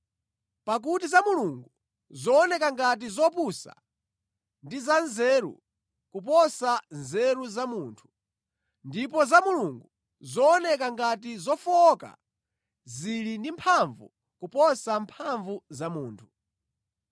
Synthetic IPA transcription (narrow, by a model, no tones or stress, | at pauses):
pak̬utizamuluŋɡu | zɔːnɛkaŋɡat̬izɔpusa̰ | ndizanzɛɾṵ | kupɔsanzɛɾuzamuːntʰu̥ | ndipɔzamuluŋɡu | zɔːnɛk̬aŋɡatizɔfka̰ | zilindimpʰaɱvṵ | kupɔsampʰaɱvuzamuːntʰu̥